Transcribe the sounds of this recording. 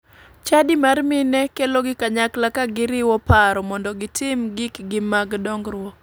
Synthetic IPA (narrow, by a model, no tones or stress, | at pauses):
t͡ʃadɪmarmɪnɛkeloɡɪkaɲaklakaɡɪɾɪwɔpaɾɔmɔndɔɡɪtɪmɡɪkɡɪmaɡdɔŋɡɾwɔ